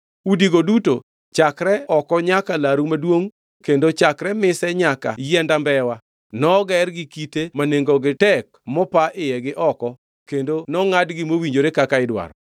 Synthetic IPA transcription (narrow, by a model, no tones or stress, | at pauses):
udiɡoduto | t͡ʃakɾɛɔkɔɲakalaɾumadwoŋ | kendot͡ʃakɾɛmɪsɛɲaka̰jɛndambɛwa | nɔɡɛrɡɪkitemaneŋɡɔɡɪtɛk̚mɔpaʔɪjɛɡɪʔɔkɔ | kendonɔŋadɡɪmowiɲd͡ʒoɾekakaɪdwa̰ɾɔ